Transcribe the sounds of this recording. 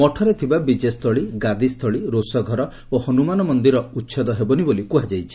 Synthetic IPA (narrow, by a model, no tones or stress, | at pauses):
mɔʈʰɔɾet̪ʰibabid͡ʒest̪ʰɔɭiɡad̪ist̪ʰɔɭiɾosɔɡʱɔɾɔ | ohɔnumanɔmɔnd̪iɾɔutːʃʰɔd̪ɔɦebɔnibolikuɦad͡ʒajt͡ʃʰi̥